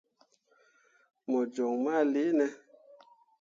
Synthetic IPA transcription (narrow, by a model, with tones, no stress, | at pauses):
mɔ˨d͡ʒɔ˨ŋma˦˨le˨˦nɛ˦